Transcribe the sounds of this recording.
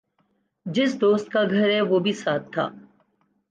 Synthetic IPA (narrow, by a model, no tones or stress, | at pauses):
d͡ʒɪsd̪oːst̪̚kaɡʱɐɾɦɛʋobʱisaːt̪ʰːa̰ː